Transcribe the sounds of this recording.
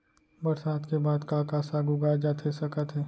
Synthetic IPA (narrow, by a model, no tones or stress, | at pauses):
bɐɾsaːd̪kebaːd̪kakaːsaːɡʊɡaːad͡ʒaːt̪ʰesɐkət̪ɦɛː